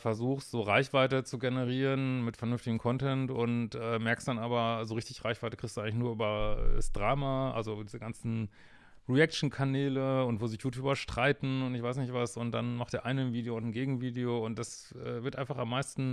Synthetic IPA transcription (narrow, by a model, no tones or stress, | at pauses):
fɛɐzuːxstz̥oːʁaɪçv̥aɪtət͡suɡenəʁiːʁənmɪtfɛɐnʏnftɪɡəm̩kʰɔntɛntʊntʔɛːmɛɐkstd̥anʔaːbɐzoːʁɪçtɪçʁaɪçv̥aɪtəkɪsd̥uʔaɪŋlɪç̬nuːɐʔyːbɐɛ̰da̰sd̥ʁaːmaʔa̰lzodiːzəɡant͡sn̩ | ʁiɛkt͡ʃn̩kʰanɛːləʊntv̥oːzɪçjuːtʰyːbɐʃtʁ̥aɪtn̩ʊntɪçv̥aɪs̬nɪçtv̥asʊnt̚d̥anmaχtd̥ɛːɐʔaɪnənviːdeoʊntn̩ɡeːɡŋ̩viːdeoːʊnt̚d̥as | ʔɛ̰ːvɪɐtʔaɪnfaχamːaɪstn̩